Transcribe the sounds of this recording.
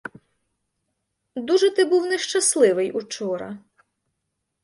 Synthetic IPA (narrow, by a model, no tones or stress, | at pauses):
d̪uʒɛt̪ɪbuwnɛʃt͡ʃɐslˠɪʋɪjut͡ʃɔɾɐ̰